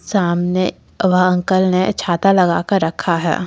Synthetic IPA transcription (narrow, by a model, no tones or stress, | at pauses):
saːmne | ʋɐɦɐ̃ŋkəlnet͡ʃʰaːt̪alɐɡaːkəɾːɐkʰaɦɛ̰ː